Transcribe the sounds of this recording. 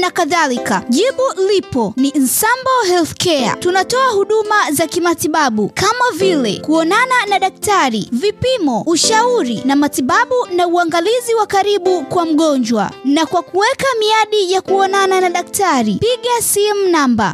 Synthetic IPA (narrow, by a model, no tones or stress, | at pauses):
nakaðalikaʄiɓulipɔnin̩sambɔɦɛlθkɛa̰tunatɔahuɗumazakimatiɓaɓukamavilɛkuɔnananaɗak̚taɾivipimɔuʃauɾinamatiɓaɓunauaŋɡaliziwakaɾiɓukwam̩ɠɔɲd͡ʒwa̰nakwakuwɛkamiaɗijakuɔnananaɗak̚taɾipiɠasimunamba̰